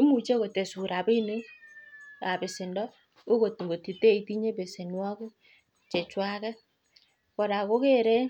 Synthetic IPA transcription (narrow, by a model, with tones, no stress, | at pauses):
i˦mu˨t͡ʃe˦ko˨te˨su˨ɾa˨be˦i˦ne˦ | a˨be˨sɪ˨ndɔ˦ | o˦ko˨ti˨ŋɡo˨ti˨te˦i˨ti˦ɲe˦be˨se˨nwɔ˦k | t͡ʃe˨t͡ʃwa˦kɛ˦ | kɔ˨da˨ko˦ke˦ɾe˦